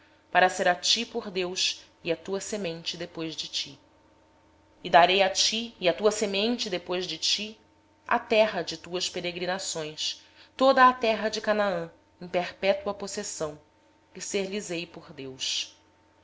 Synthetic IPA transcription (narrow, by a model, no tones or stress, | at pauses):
paɾɐseɾat͡ʃipoɾd̪ews | ɪɐt̪uɐsemẽnt͡ʃɪd̪epojzd͡ʒɪt͡ʃi | ɪd̪aɾejat͡ʃiːɐt̪uɐsemẽnt͡ʃɪd̪epojzd͡ʒɪt͡ʃi | a̰t̪ɛɦɐd͡ʒɪt̪uɐspeɾeɡɾinasõj̃s | t̪od̪ɐːt̪ɛɦɐd͡ʒɪkanaɐ̃ | ẽpeɾpɛt̪uɐposesɐ̃w̃ | kɪseɾlizejpoɾd̪ews